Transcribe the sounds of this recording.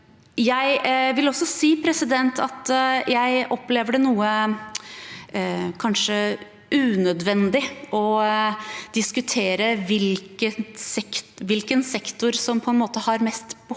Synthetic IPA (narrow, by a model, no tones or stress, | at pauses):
jæɪʋɪlɔsɔsiːpʰɾɛsɪd̪ɛnt̪ʰɑ̰t̪jæɪʔɔpleːʋəɖɛnuːə | kʰɑnʂə | ʔʉːnœd̪ʋɛnd̪ɪʔɔ | d̪̥ɪskʉt̪ʰeːɾəʋɪlkəsɛkʋɪlkənsɛkt̪ʊɾsɔmpʰɔɛnmoːt̪əhɑɾmɛst̪b̥ə